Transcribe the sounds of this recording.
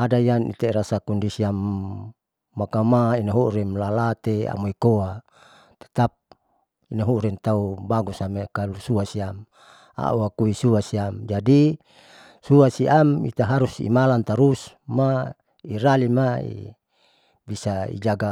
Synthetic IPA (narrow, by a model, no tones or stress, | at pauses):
adaianḭt̪eɾasakɔndisiam | akamainaɦuɾɛmlalat̪ea̰moikoa | t̪e̥t̪ap̚ | inaɦuɾɛnt̪aubaɡusamekalusuasiam | a̰uakuisuasiamd͡ʒadi | suasiʔamḭt̪aɦaɾusḭmalant̪aɾus | ma | iɾalimaḭ | bisaḭd͡ʒaɡa